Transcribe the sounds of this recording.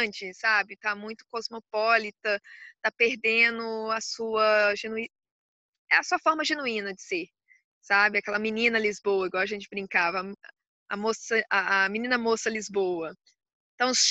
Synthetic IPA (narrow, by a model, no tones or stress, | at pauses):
t͡ʃɪsabɪt̪amũj̃t̪ʊ̥kɔzmopɔlit̪ɐt̪apeɾd̪ẽnʊɐsuɐʒenui | ɛ̰ɐsuɐfɔɾmɐʒenuĩnɐd͡ʒɪseɾ | sabɪakɛlɐminĩnɐlizbowɐiɡwawɐʒẽnt͡ʃɪbɾĩŋkavɐ | ɐ̰mosɐʔɐːmĩnĩnɐmosɐlizbowɐ | ẽt̪ɐ̃w̃s